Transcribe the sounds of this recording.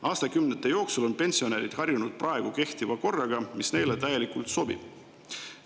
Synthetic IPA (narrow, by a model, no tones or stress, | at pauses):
ʔɑːst̪ɑkymnet̪ːˑejo̞ːksulo̞npe̞nʲsio̞neɾid̪̥hɑrjunud̪̥̚prɑe̞ɡ̥uke̞ht̪ivɑko̞rːɑɡ̥ɑmisne̞jlet̪æje̞likult̪so̞b̥ḭb̥